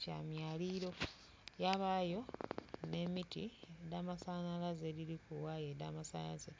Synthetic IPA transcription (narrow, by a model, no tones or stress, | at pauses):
ca̰ːmjaːliɾo̞ | jaβajo̞ne̞mitiedamasanalazeliɾikuwajeda̰masanaze